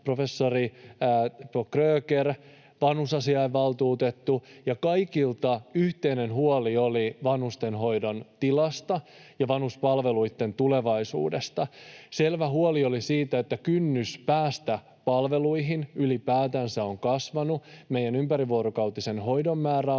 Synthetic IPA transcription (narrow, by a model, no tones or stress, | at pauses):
pro̞fe̞sːori | pokrøːker | ʋɑnhusɑsiɑeʋːɑlt̪uːt̪et̪ːujɑkɑjkilt̪ɑyht̪eine̞nhuolio̞liʋɑnhust̪e̞nɦo̞jdont̪ilɑst̪ɑjɑʋɑnhuspɑlʋe̞luit̪ːe̞nt̪ule̞ʋɑisṵːdest̪ɑse̞lʋæɦuolio̞lisiːt̪æet̪ːækynːyspæːst̪æ | pɑlʋe̞luiɦinylipæːt̪æːnsæo̞ŋkɑsʋɑnumejænympæɾiʋuoɾokɑwt̪ise̞nɦo̞jdo̞mːæːɾæ